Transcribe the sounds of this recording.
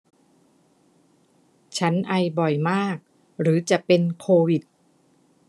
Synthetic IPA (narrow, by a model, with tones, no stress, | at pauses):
t͡ɕʰa˦˥nʔa˧jbɔ˨˩jmaː˥˩k̚ | ɾɯː˩˦t͡ɕa˨˩ʔpe˧nkʰoː˧wi˨˩t̪̚